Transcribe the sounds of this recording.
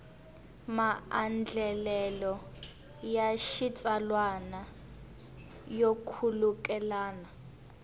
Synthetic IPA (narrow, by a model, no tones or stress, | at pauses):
maand͡ɮʱɛlɛlɔ | jaʃit͡sʼalwana | jokʰulukʼɛlaːna